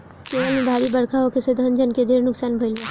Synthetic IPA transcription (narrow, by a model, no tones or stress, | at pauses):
puːɾanẽbʱaːɽibɐɽkʰaɦokesed̪ʱɐnd͡ʒənked̪ʱeːɾnʊksaːnbʱɐɪle